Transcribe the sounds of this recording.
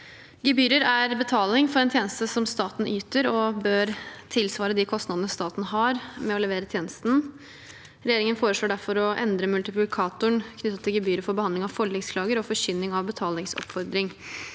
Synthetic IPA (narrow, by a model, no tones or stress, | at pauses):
ɡəbyːɾəɾæɾbət̪ʰɑːlɪŋfɔɾɛnt̪ʰjeːnəst̪əsɔmst̪ɑːt̪n̩yːt̪əɾɔbøːɾt̪ʰɪlsʋɑːɾəd̪ikʰɔst̪nɑd̪ənəst̪ɑːt̪nəɦɑɾmɛɔləʋeːɾət̪ʰjeːnəst̪n̩ | ɾɛjeːɾɪŋənfoːɾəʂɭoːɖæɾfɔɾɔʔɛ̰nd̪ɾəmʉlt̪ɪplɪkʰɑːt̪ʊəɳkʰnʏt̪ːət̪ʰːɪlɡəbyːɾəfɔɾbəhɑnd̪lɪŋɑʋfɔɭːɪŋskʰlɑːɡəɾɔfɔɕʏnːɪŋɑʋbət̪ʰɑːlɪŋsɔ̰pfɔɾd̪ɾɪŋ